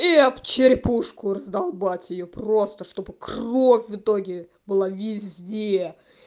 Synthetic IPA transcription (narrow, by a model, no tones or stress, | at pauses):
iɐpt͡ɕɪɾʲpuʂkʊɾəzd̪ɐlˠbatʲjɪjopro̞st̪əʂt̪o̞bɨkrofʲvɨt̪o̞ɡʲɪ | bɨlˠavʲɪzʲdʲe